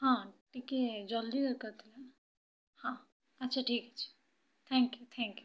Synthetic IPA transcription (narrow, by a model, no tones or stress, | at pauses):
ɦãʈiked͡ʒəld̪iɡəɾkəɾt̪ʰilən | hã | ətːʃʰaʈʰikət͡ʃʰi̥ | t̪ʰɛ̃ŋkjut̪ʰɛ̃ŋkju